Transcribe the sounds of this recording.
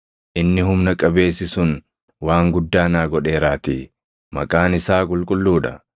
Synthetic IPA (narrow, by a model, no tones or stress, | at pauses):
ʔɪnːɪɦʊmnɐkʼɐbe̞ːsːɪsʊn | waːŋɡʊd̪ːaːnaːɡɔᶑe̞ːɾaːt̪iː | mɐkʼaːnɪsaːkʼʊlkʼʊlːuːᶑɐ